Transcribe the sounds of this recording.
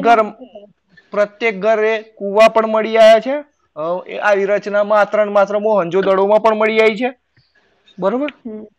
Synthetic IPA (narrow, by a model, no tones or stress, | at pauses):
ɡəɾ | pɾət̪jek̚ɡʱəɾekuʋapəɳməɭiajat͡ʃʰe | ʔaʋiɾət͡ʃnamãːt̪ɾənmat̪ɾəmoɦə̃nd͡ʒod̪əɽomãpəɳməɭiait͡ʃʰe | bəɾobəɾ